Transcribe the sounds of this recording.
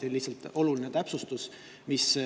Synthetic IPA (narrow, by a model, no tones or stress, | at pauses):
elihsɑlt̪ˑo̞lulinet̪æpsust̪us | mis